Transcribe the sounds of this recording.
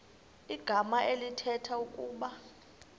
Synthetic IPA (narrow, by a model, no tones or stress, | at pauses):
iɡ̥ʱamaʔelitʰɛtʰaukʼuːɓa